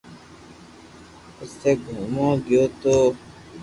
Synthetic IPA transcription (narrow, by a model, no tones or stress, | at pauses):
ʊseːɡʱuːmõːɡɪjoːt̪oː